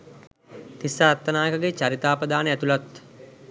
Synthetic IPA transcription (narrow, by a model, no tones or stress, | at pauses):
t̪isːaɾat̪ːənaːjəkəɡet͡ʃaɾit̪aːpəd̪aːnəæt̪ulat̪